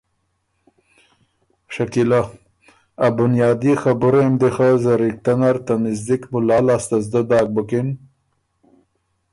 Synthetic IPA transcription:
ʂakila | abʊnjɑːd̪ixabʊɾemd̪exazəɾik̚t̪anaɾt̪anɪzd̪ikmʊlɑːlast̪azd̪əd̪ɑːk̚bʊkin

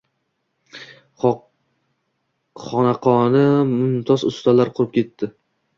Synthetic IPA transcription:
χɒnaqʰɒnɪmʊnt̪ʰɒsʊst̪alaɾqʰʊɾɪp̚kʲʰe̞t̪ʰːɪ

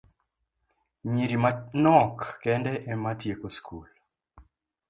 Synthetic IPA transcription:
ɲiɾimanɔkːɛndɛʔɛmatjekoskʰul

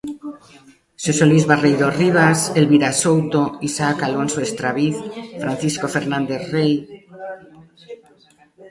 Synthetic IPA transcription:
sesolizβarejðoriβ̞aselβiɾasowt̪oisakalonsoest̪ɾaβiθfɾan̟θiskofeɾnãnd̪eθrej

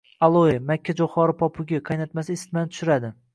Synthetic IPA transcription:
alˠojɪmakʲʰːad͡ʒoχɒɾɪpʰɒpʰʊɡʲaqʰɑjnat̪masɪɪst̪mant̪ʰʊ̥ʃʊɾad̪ɪ

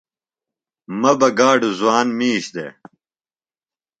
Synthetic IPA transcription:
mɐbɐɡaːɖzuwaːnmiːɕd̪ḛ

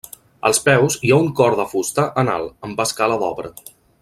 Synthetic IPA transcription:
ə̰lˠspɛwziauŋkɔɾðəfust̪əʔəna̰lˠəmbaskaləðɔβɾə̰

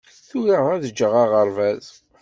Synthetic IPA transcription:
θuɾəʁæðəd͡ʒːəʁɑʁəɾˤvæz

